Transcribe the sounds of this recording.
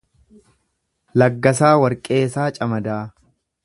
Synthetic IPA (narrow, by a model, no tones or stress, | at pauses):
lɐɡːɐsaːwɐɾkʼe̞ːsaːt͡ʃʼɐmɐd̪aː